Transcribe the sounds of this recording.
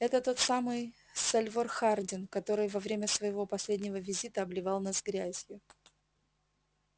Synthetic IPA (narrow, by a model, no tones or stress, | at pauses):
ɛt̪ət̪o̞t̪samɨj | sɐlʲvorxardʲɪnkɐt̪o̞ɾɨjvɐvɾʲemʲəsvəjɪvo̞pɐsʲlʲedʲnʲɪvəvʲɪzʲit̪əɐblʲɪvɑlˠnɐzɡɾʲæzʲjʊ